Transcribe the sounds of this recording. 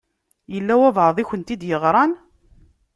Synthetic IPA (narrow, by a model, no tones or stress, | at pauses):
jəlːæwævʕəðˤiçənt̪id̪jəʁɾˤɑn